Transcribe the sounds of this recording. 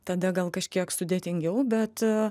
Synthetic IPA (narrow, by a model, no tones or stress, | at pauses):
t̪ɐd̪ɐɡɐlˠkɐʃʲkʲiɛksʊd̪ʲeːt̪ʲɪŋʲɡʲɛʊbʲɛt̪